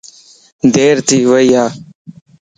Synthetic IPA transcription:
d̪eːɾt̪iːʋəijaː

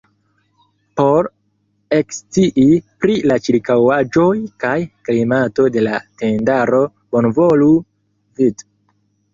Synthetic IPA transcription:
po̞ɾ | e̞kstiʔipɾilat͡ʃiɾkawad͡ʒo̞jkajklimato̞de̞late̞ndaɾo̞ | bonvolu | vid

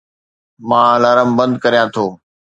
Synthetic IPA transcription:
mãːlaːɾəmbə̃nd̪kɐɾijãːt̪ʰoː

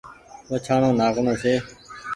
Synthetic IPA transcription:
ʋət͡ʃʰaːɳõːnaːkɳõːseː

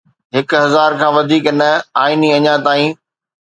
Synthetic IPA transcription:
ɦɪkɦɐzaːɾkʰãːʋɐd̪ʱiːknɐaːiniɐɲãt̪aːĩː

